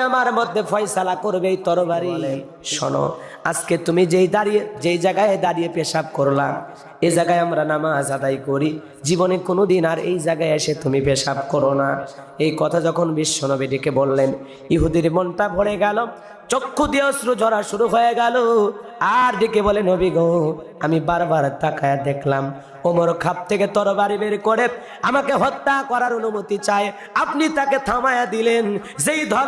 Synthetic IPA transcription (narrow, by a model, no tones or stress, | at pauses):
amaɾmod̪ʱːepʰɔjsalakoɾbejt̪ɔɾobaɾi | ʃɔ̰no̰ | asket̪umid͡ʑejd̪aɾied͡ʑejd͡ʑaɡaed̪aɾijepeʃab̚koɾla | ed͡ʑaɡaeamɾanamazad̪ajkoɾi | d͡ʑibonekonod̪inaɾḛjd͡ʒaɡaeeʃet̪umipeʃab̚koɾona | ejkɔt̪ʰad͡ʒɔkʰonbiʃːɔnobeɖikebolːen | jiɦud̪iɾmɔnʈabʱoɽeɡɛlo | t͡ɕokʰːod̪iosɾud͡ʒʱɔɾaʃuɾuɦoeɡɛloaɾɖikebolenobiɡow | amibaɾbaɾd̪akajad̪ekʰlam | omoɾkʰab̚t̪ʰeket̪ɔɾobaɾibeɾkoɽe | amakeɦɔt̪ːakɔɾaɾonumot̪it͡ɕae | apnit̪aket̪ʰamajad̪ilenzejd̪ʱɔ